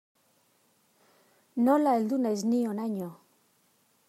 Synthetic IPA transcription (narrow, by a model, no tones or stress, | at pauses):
nolaeld̪unaeznionaɲo